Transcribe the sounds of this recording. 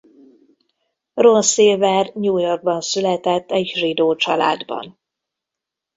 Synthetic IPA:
ronseːvɛrɲuːjo̞rɡ̚bɒnsylɛt̪ɛt̪ːɛɟrid̪oːt͡ʃɒla̰ːd̪bɒ̰n

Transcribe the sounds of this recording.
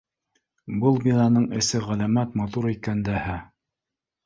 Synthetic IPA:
bɤlˠbʲinɑnɤɴɘ̆sɘʁælæmæt̪mɑt̪uɾikænd̪æhæ

